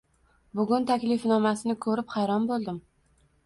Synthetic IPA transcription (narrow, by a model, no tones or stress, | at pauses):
bʊɡʲʊnt̪ʰakʲlɪfnɒmasɪnɪkʰɵɾɪpχɑjɾɒmbolˠd̪ɪm